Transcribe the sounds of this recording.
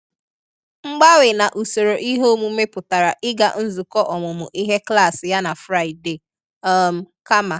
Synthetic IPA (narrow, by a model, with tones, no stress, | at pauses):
ŋ͡m̩˦ɡ͡ba˦wɪ˨na˨ʔu˨so˨ɾo˨ʔi˦ɦo˦mu˦me˦pʊ˨ta˨ɾa˨ʔɪ˦ɡa̰˨n̩˦zu˨kɔ˦ʔɔ˨mʊ˨mʊ˨ʔi˦ɦe˦kla˦˨sɪ˨ja˦na˨fɾa˦˨i˨de˨ | ɔ˦˨m̩˨ka˦ma˨